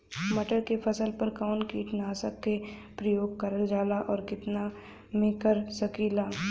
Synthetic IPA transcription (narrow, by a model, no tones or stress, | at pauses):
mɐʈəɾkepʰɐsəlpəɾkaːʊnkiːʈnaːsəkːepɾəjoːɡ̚kɐɾəld͡ʒaːlaʔɔːɾkɪt̪na | mẽkəɾsɐkiːlaː